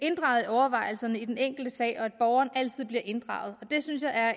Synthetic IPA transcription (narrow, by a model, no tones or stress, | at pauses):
e̝nd̥ʁɑ̈ʊð̩ˠiɒʊɐʋɑ̈ɪ̰l̩sɐnəid̥eneŋ̰ɡ̥l̩d̥əsɛ̰ːʔɒ̽æd̥̚b̥ɒʊɐːnʔæl̰t͡sʰið̞̰ˠb̥liɐʔe̝nd̥ʁɑ̈ʊð̞̩ˠɒ̽d̥e̝synsjɑ̈ɪæɐ